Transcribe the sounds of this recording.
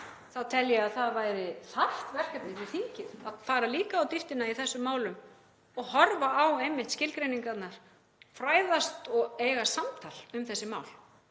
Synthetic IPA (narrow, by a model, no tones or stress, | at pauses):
θaðt̪ʰɛljɛaðθaðvaːjɾɪθaht̪vɛr̥kɛpnɪvɪθiɲcɪðaðfaːɾaliːkaːwt̪ift̪ɪnaiθɛsːʏmːaːwlʏm | ɔɣɦɔɾvaʔawejmːɪht̪scɪlkɾejniŋkat̪naɾ̥ | fɾaːjðast̪ɔɣeːjɣasamt̪ʰal̥ʏmθɛsːɪmaːwl